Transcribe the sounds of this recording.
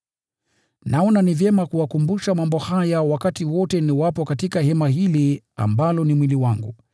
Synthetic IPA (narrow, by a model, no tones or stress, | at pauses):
naɔnanivjɛmakuwakumbuʃamambɔhajawakatiwɔtɛniwapɔkatikahɛmaɦili | a̰mbalɔnimwiliwaŋɡṵ